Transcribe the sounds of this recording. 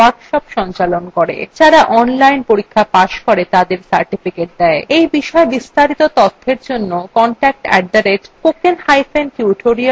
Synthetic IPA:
aɾkʃɔpʃɔnt͡ɕalonkoɾḛd͡ʑaɾaʔɔnlajnpoɾikʰːapaʃkoɾet̪ad̪eɾsaɾʈifikeʈ̚d̪ɛeejbiʃɔebist̪aɾit̪ot̪ɔt̪ʰːeɾd͡ʑonːokɔɳʈɛk̚ʈɛ̰ɖ̚d̪aɾeʈkokenhajfʰenʈuʈʰoɾi

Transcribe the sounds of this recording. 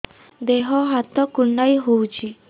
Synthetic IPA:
d̪eɦɔɦat̪ːɔkuɳːaiɦowt͡ɕi

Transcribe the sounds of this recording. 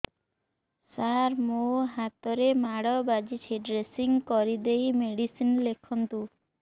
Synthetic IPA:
saɾmoɦat̪ɔɾemaɽɔbad͡ʒit͡ʃʰiɖɾesiŋɡkɔɾid̪ejmeɽisinlekʰɔnt̪u

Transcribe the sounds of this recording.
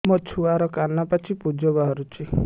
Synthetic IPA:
mɔt͡ʃʰuaɾɔkanapat͡ʃʰipud͡ʒɔbaɦɔɾut͡ʃʰi

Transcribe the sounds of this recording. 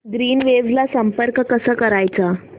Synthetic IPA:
d̪ɾiːnʋed͡zlasəmpəɾkkəsəːkəɾajt͡sa

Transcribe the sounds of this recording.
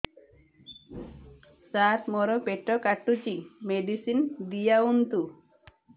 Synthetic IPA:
sat̪mɔɾɔpeʈɔkaʈːut͡ʃimeɖisind̪ijaunt̪u

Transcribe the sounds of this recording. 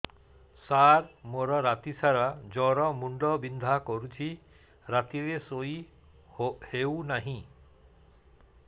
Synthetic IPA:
saɾmoɾɔɾat̪isaɾad͡ʒɔɾɔmuɳɖɔbind̪ʱakoɾut͡ʃʰi | ɾat̪iɾesoj | hewnaɦĩ

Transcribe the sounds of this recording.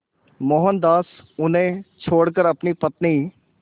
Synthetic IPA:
mɔːɦənd̪aːs | ʊnẽːt͡ʃʰoːɽkəɾəpniːpət̪niː

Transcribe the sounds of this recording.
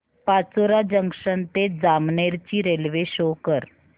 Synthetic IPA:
pat͡soɾad͡ʑəŋkʂənt̪ed͡zamneɾt͡ɕiːɾelʋeɕokəɾ

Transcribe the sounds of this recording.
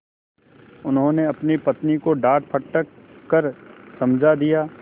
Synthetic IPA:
ʊnɦõneɐpnipɐt̪nikoɖaːʈpʰɐʈːəkːɐɾsɐmd͡ʒʱad̪ijaː

